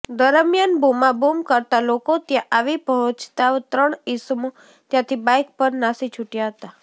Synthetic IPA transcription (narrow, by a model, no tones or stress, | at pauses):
d̪əɾəmjanbʱumabumkəɾt̪alokot̪jãʔaʋipəɦɔ̃t͡ʃt̪aʋt̪ɾəɳisəmo | t̪jãt̪ʰibajk̚pəɾnasit͡ʃʰuʈjaɦət̪a